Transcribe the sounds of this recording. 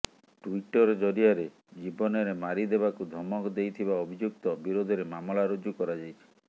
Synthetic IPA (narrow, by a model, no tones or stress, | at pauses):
ʈuiʈɔɾɔd͡ʒɔɾiaɾe | d͡ʒibɔnɔɾemaɾid̪ebakud̪ʱɔmɔkd̪ejt̪ʰibaɔbʱid͡ʒuk̚t̪ɔbiɾod̪ʱɔɾemamɔlaɾod͡ʒukɔɾad͡ʒajt͡ʃʰi̥